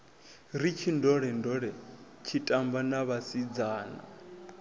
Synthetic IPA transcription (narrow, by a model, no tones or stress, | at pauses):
ɾit͡ʃʰindɔɺɛndɔɺɛ | t͡ʃʰitʼambanaβasid͡zaːna̰